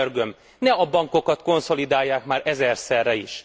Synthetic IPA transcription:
ørɡø̞m | nɛɒbɒŋko̞kɒt̪ko̞nso̞lid̪aːjːaːkmaːɾʔɛzɛrsɛrːɛiʃ

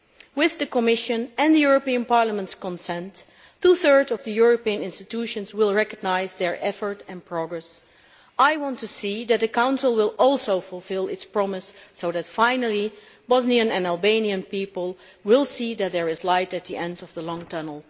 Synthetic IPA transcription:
wɪððɨkəmɪʃɨ̃nɨ̃ndðɨjʊɹəpiə̃npɑɹləmə̃ntskə̃nsɛ̃nt | tuθɜ˞dʌvðɨjʊɹəpiɨ̃nɪ̃nstɨtʰuʃɨ̃nzwɪlˠɹɛkəɡ̚naɪzðɛ˞ʔɛfə˞tɛ̃npʰɹ̥ɔɡɹɛs | aɪwɑ̃ntʰusiðɨt̪̚ðɨkãʊ̃nsəlˠwɪlˠɔlˠsoʊfɔlˠfɪlˠɪtspɹ̥ɑmɪsːoʊðɨtfãɪnəl̩ˠi | bɔzniɨ̃nɨ̃nælˠbẽɪ̃niɨ̃npipəlˠ | wɪlˠsiðɨt̪̚ðɛ˞ɪzlaɪtɨt̪̚ðiʔɛ̃ndʌvðəlɔ̃ŋtʰʌnl̩ˠ

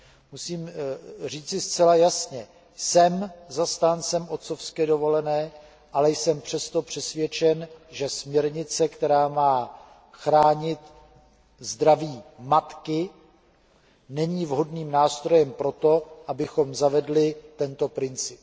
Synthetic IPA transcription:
musiːmriːt͡sɪst͡sɛlajasɲɛ | sɛmzast̪aːnt͡sɛmo̞t̪t͡so̞fskɛːdovo̞lɛnɛː | ʔalɛjsɛmpr̝̥ɛst̪o̞pr̝̥ɛsvjɛt͡ʃɛnʒɛsmɲɛɾɲɪt͡sɛkt̪ɛɾaːmaː | xɾaːɲɪt̪ | zd̪ɾaviːmat̪kɪ | nɛɲiːvɦo̞dniːmnaːst̪ɾo̞jɛmpɾo̞t̪o̞ʔabɪxo̞mzavɛdlɪt̪ɛnt̪o̞pɾɪnt͡sɪp

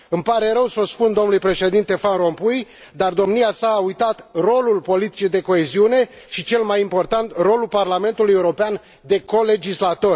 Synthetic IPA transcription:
ɨmpaɾe̞ɾəwsospund̪o̞mnulujpɾe̞ʃe̞d̪int̪e̞fanɾo̞mpuj | d̪ard̪o̞mniasaːujt̪at̪ro̞lulpo̞lit̪i̥t͡ʃed̪e̞ko̞eziune̞ | ʃit͡ʃe̞lmajimpo̞rt̪ant̪ro̞lulparlame̞nt̪uluje̞uɾo̞pean | d̪e̞ko̞le̞d͡ʒislat̪o̞r

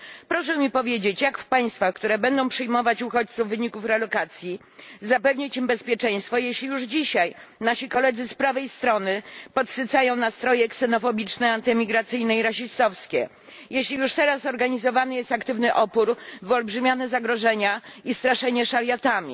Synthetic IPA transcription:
pɾɔʂɛmʲipɔvʲjed͡ʑet͡ɕjakfpaj̃st̪faxkt̪uɾɛbɛnd̪ɔ̃w̃pʂɘjmɔvat͡ɕuxɔt͡ɕt̪suvːɘɲikufɾɛlɔkat̪sʲji | zapɛvɲit͡ɕimbɛspʲjɛt͡ʂɛ̃j̃st̪fɔjeɕlʲijuʐd͡ʑiɕajnaɕikɔlɛd̪zɘspɾavɛjst̪ɾɔnɘpɔt̪sɨt̪sajɔ̃w̃nast̪ɾɔjɛksɛnɔfɔbʲit͡ʂnɛant̪ɘmʲiɡɾat̪sɘjnɛiɾaɕist̪ɔfskʲɛ̰ | jeɕlʲijuʂt̪ɛɾasɔɾɡaɲizɔvanɘjɛst̪akt̪ɘvnɘʔɔpuɾvɔlbʐɘmʲjanɛzaɡɾɔʐɛɲaist̪ɾaʂɛɲɛʂaɾjat̪amʲḭ

